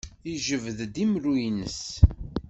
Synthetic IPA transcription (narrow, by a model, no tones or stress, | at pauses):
iʒəvðd̪imɾujnəs